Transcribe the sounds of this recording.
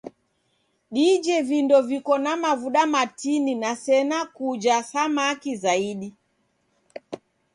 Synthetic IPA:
ɗid͡ʒɛvindɔvikɔnamavuɗamatininasɛnakud͡ʒasamakizaiɗi

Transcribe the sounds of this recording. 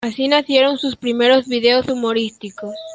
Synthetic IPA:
asinasje̞ɾo̞nsuspɾime̞ɾo̞zβiðe̞osumo̞ɾist̪iko̞s

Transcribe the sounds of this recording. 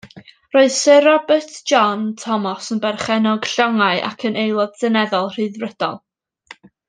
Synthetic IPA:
roːɨðsɪɾɔbərtʰʒ̥ɔntʰɔmɔsənbɛrχɛnɔɡ̥ɬɔŋaɨʔa̰kʰənʔejlˠɔdsənɛðɔlˠr̥ɨðrəd̥ɔ̰lˠ

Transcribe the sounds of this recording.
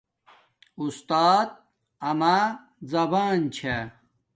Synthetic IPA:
ust̪aːt̪̚ | ɐma | zɐbaːnt͡ɕʰe

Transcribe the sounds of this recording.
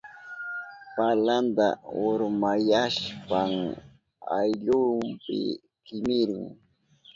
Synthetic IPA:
paland̪a̰ʊɾmajaʃpaŋ | a̰jʎʊmpɪ̰ | kɪmɪɾɪŋ

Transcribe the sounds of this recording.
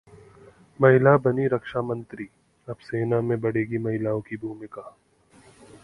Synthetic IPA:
mɐɦɪlabɐniɾɐkʃamə̃nt̪ɾiː | ɐbseːnamẽbɐɽ̤eːɡimɐɦɪlaːõkibʱuːmɪkaː

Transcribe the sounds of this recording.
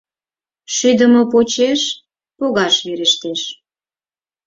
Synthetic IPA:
ʃyd̪əmop̬ot͡ɕeʃ | poɣɑʃβeɾeʃt̪eʃ

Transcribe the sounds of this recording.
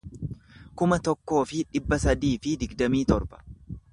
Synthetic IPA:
kʊmɐt̪ɔkːo̞ːfɪᶑɪbːɐsɐd̪iːfɪd̪ɪɡd̪ɐmiːt̪ɔɾbɐ̥

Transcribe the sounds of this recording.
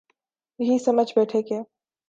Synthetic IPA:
jɐɦisɐməd͡ʒʱbɛːʈʰekeː

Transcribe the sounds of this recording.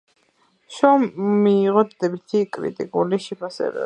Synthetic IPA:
ʃɔmːiːʁɔd̪d̪ɛbit̪ʰikʼɾḭt̪ʼikʼuliʃɛpʰasɛ̰bɛ̰

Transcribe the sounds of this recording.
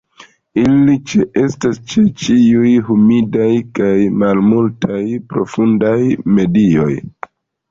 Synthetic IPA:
ilit͡ʃe̞ʔe̞stast͡ʃe̞t͡ʃiujɦumidajkajmalmultʰajpɾo̞fundajme̞dio̞j

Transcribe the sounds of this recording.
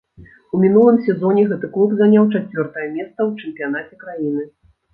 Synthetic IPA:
umʲin̪ulˠɨmsʲɛzɔnʲɛɣɛt̪ɨklˠubzanʲawt͡ʂat͡sʲvʲɔrt̪ɐjɐmʲɛst̪sɐwt͡ʂɨmpʲijanat͡sʲɛkɾajinɨ

